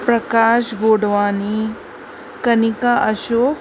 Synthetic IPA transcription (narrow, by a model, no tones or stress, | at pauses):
pɾɐkaːʃɡoːɽʋaːni | kɐnikaʔɐʃoː